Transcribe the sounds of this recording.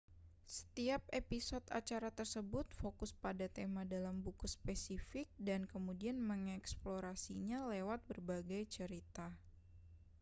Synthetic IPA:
sə̥t̪iap̚episɔt̪a̰t͡ʃaɾat̪ərsəbʊt̪̚fokʊspadat̪emadalambukuspesifɪk̚dankəmudianməŋɛksploɾasiɲalewat̪̚bərbaɡajt͡ʃəɾit̪a

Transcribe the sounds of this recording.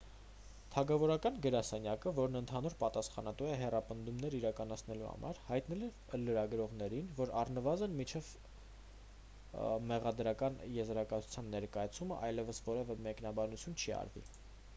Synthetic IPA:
t̪ʰɑɡɑvɔɾɑkɑnɡəɾɑsɛnjɑkəvɔɾnənt̪ʰɑnuɾpɑt̪ɑsχɑnɑt̪uɛɦɛrɑpənd̪umnɛɾiɾɑkɑnɑt͡sʰnɛluhɑ̰mʔɑ̰ɾhɑjt̪nɛlɛɾ | ləɾɑɡɾɔʁnɛɾinvɔɾɑrnəvɑzənmit͡ʃʰɛv | mɛʁɑd̪ɾɑkɑnjɛzɾɑkɑt͡sʰu̥t͡sʰjɑnːɛɾkɑjɑt͡sʰuməʔɑjlɛvəsvɔɾɛvɛmɛknɑbɑnut͡sʰjunt͡ʃʰiɑ̰ɾvḭ

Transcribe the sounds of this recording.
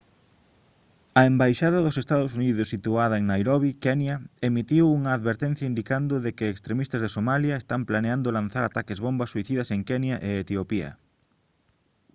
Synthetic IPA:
ɐembajʃaðɐðʊsest̪aðʊsuniðʊsːit̪uaðɐeŋnajɾoβikɛnjɐemit̪iwuŋɐːðβeɾt̪ɛ̃n̟θjɐind̪ikand̪ʊðekɪeːkst̪ɾemist̪ɐzðesomaljɐest̪amplaneand̪olan̟θaɾat̪akezβombɐsːuiθiðɐseŋkɛnjɐʔeːt̪iopiɐ̰

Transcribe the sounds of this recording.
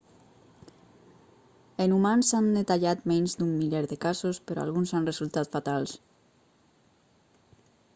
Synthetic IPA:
enumansand̪et̪aʎat̪mɛɲzd̪umːiʎeɾðekazospəɾɔ̰a̰lˠɣunzanrezulˠt̪at̪fat̪alˠs

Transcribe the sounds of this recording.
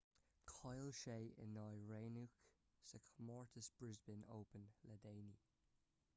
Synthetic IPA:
kʰɔɪlʃeːʔɪ̰nːɔjɹeːnuk | səkʰəmɔɹtʰəsb̥ɹɪzbɪno̰ʊpə̃nlədeːni

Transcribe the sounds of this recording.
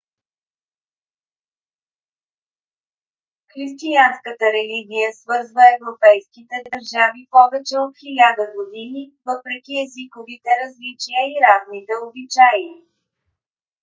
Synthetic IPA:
xɾist̪ijanskət̪əɾɛliɡʲijəsvɤɾzvəɛvɾopɛjskit̪ɛd̪əɾʒavipɔvɛt͡ʃɛot̪xilʲad̪əɡod̪inivɤpɾɛkʲiɛzikovit̪ɛɾɐzlit͡ʃijəiɾaznit̪ɛobit͡ʃaj

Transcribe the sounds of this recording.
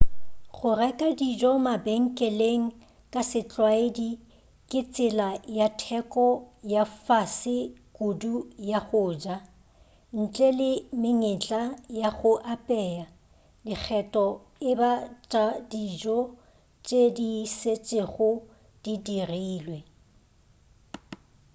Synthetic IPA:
χʊrɛkʼadid͡ʒɔmabeŋ̩kʼɛleŋ̩ | kʼasɪt͡ɬʼwaedi | kʼɪt͡sʼɪlajatʰɛkʼɔjafasɪkʼudujaχʊːd͡ʒa | n̩t͡ɬʼɛlɪmɪŋɪt͡ɬʼajaχʊʔapʼɛːa | dɪk͡xʰɛtʼɔ | ɪbat͡ʃʼadid͡ʒɔ | t͡ʃʼediset͡ʃʼeɣʊ | d̥idiriiːlwɛ

